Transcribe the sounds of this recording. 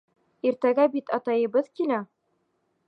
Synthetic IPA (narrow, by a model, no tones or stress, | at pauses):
iɾt̪æɡæbit̪ɑt̪ɑjɤ̆βɤðkinæ